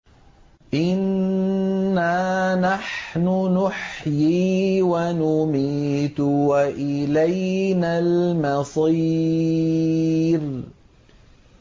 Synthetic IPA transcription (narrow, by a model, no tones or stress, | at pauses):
ʔɪnː | aːnaħnʊnʊħjiːwanʊmiːt̪waʔɪlajnaːlmɑsˤi | ɾ